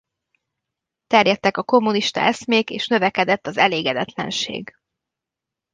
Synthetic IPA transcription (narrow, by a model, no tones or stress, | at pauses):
t̪ɛrjɛt̪ːɛkɒko̞mːuniʃt̪ɒ̰ɛsmeːkḛːʃnø̞vɛkɛd̪ɛt̪ːɒzɛleːɡɛd̪ɛt̪lɛ̰nʃḛːɡ